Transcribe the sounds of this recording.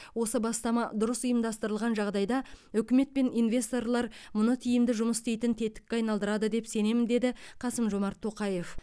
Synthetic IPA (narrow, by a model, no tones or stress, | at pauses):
wo̞səbɑst̪ɑmɑd̪ʊɾəsʊjəmd̪ɑst̪əɾəlˠʁɑnʒɑʁd̪ɑjd̪ɑʏkʲɪme̞t̪̚pe̞ninvʲe̞st̪o̞rlˠɑɾmʊnət̪ʰijɪmd̪ɪʒʊməst̪e̞jt̪ɪnt̪ʰe̞t̪ɪ̥kʲːeɑjnɑlˠd̪əɾɑd̪əd̪e̞pse̞ne̞mɪnd̪e̞d̪ɪqʰɑsəmʒo̞mɑɾt̪ʰːo̞qɑje̞f